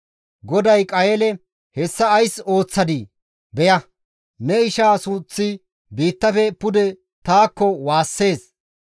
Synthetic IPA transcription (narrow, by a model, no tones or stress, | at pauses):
ɡɔd̪ɐjkʼɐjɛlɛ | hɛsːɐːjso̞ːt͡sːɐd̪ɪ | bɛjɐ | nɛɪʃaːsʊt͡sːɪ | biːt̪ːɐfɛpʊd̪ɛ | t̪aːkːɔwaːsːe̞ːs